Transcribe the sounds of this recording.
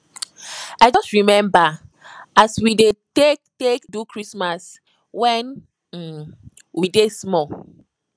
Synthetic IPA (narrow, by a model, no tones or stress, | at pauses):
ajd͡ʒɔstɹimɛ̃mba | aswidetek̚tekdukʰɹismas | wɛ̃n̩ | widesmɔ